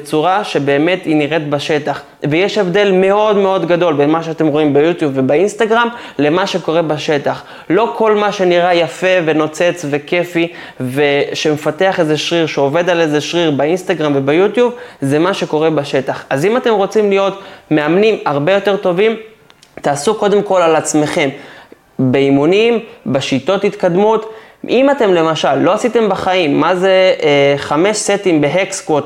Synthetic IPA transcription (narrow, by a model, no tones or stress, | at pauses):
t͡suʁaʃe̞be̞ːme̞t̪iniʁetbaʃe̞taχ | vejeʃe̞vd̪e̞lme̞o̞dmeo̞d̪ɡado̞lbenmaʃeat̪e̞mʁo̞imbejut̪jubvebainst̪aɡʁam | le̞maʃe̞ko̞ʁe̞baʃe̞taχ | lo̞kʰo̞lmaʃe̞niʁajafe̞ve̞no̞t͡se̞t͡sve̞ke̞fi | veʃe̞me̞fateaχezeʃʁiʁʃeove̞d̪ale̞zeʃʁiʁbainst̪aɡʁamvebajutjubzemaʃe̞ko̞ʁe̞baʃe̞taχazimate̞mʁo̞t͡simlijo̞tme̞amnimaʁbe̞jo̞te̞ʁt̪o̞vim | t̪aːsuko̞d̪e̞mko̞lalat͡sme̞χe̞m | beimunimbeʃito̞thit̪kad̪mutʔimate̞mle̞maʃalːo̞asit̪e̞mbaχaimːaze̞χame̞ʃsetimbe̞ɦekskot